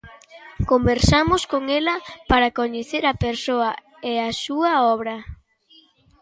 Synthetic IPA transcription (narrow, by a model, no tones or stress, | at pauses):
kombeɾsamʊskoŋelɐpaɾakoɲeθeɾɐpeɾsoɐ | easuɐɔβɾɐ